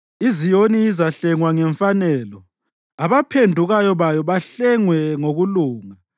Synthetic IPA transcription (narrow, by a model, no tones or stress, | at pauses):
izijoniːzaɬɛŋwaŋɛɱfanɛːlɔ | aβapʰendʱuɣajɔβajɔβaɬɛŋwɛŋoɣuluːŋa